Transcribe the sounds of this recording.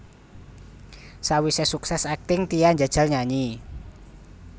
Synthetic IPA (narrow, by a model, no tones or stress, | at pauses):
sawisɛsuksɛsak̚t̪ɪŋt̪ijanɲd͡ʒad̥ʒ̥a̤lɲaɲi